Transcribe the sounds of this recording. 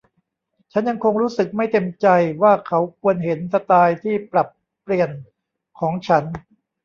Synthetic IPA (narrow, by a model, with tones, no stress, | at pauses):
t͡ɕʰa˦˥nja˧ŋkʰo˧ŋɾuː˦˥sɯ˨˩k̚ma˥˩jt̪e˧mt͡ɕa˧jwaː˥˩kʰa˦˥wkʰu˧ənɦe˩˦nsa˧t̪aː˧jt̪ʰiː˥˩pɾa˨˩pː | li˨˩ən | kʰɔː˩˦ŋt͡ɕʰa˦˥n